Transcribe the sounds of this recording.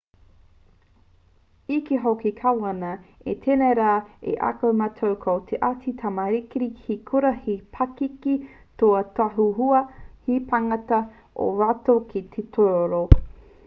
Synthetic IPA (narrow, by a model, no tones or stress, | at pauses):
ikiɦokikʰawɐnɐetʰeneɾaːḛʔa̰kɐwmɐtʰowkʰowt̪ʰeʔat͡sit̪ʰamɐɾikiɾihikʰuɾɐhipʰakiki | toɐtaɦuɦuɐhipʰaŋɐtɐ | ʔo̰ɾatokit̪ʰetʰoɾoɾo